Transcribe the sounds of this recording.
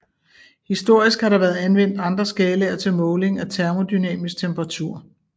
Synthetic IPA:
hisd̥o̝ɐ̰isɡ̥hɑ̈ɾɑ̈ʋæɐð̩ˠænʋen̰d̥ɑ̈nd̥ʁɐsɡ̥ɛːləɐt͡sʰe̝lmɔ̽ːʊle̝ŋæt͡sʰæɐmo̝d̥ynɛ̰ːmisɡ̥̚t͡sʰempʁɑ̈t͡sʰuɐ̰

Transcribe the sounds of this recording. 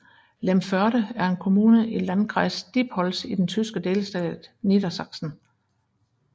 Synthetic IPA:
lemfɶɐɾəæɐe̝nkʰo̝muːnəʔilænɡʰʁɑ̈ɪsd̥ib̥hɒ̽lsid̥ent͡sʰysɡ̥əd̥eːləsd̥ɛ̰ːdnid̥ɐsɑ̈ɡ̥sn̩

